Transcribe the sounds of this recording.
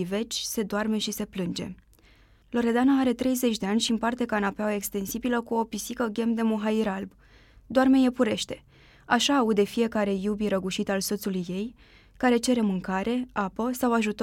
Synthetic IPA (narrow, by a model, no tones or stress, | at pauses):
ive̞t͡ʃʲse̞d̪oarme̞ʃise̞plɨnd͡ʒe̞̰ | lo̞ɾe̞d̪anaaɾe̞t̪ɾe̞jze̞t͡ʃʲd̪e̞anʲʃiɨmpart̪e̞kanapeaoe̞kst̪e̞nsibiləkuo̞pisikəɡʲe̞md̪e̞moɦaiɾalb | d̪oarme̞je̞puɾe̞ʃt̪e̞̥ | aʃaːud̪e̞fije̞kaɾe̞jubiɾəɡuʃit̪also̞t̪sulujːe̞j | kaɾe̞t͡ʃe̞ɾe̞mɨŋkaɾʔe̞apəsawaʒut̪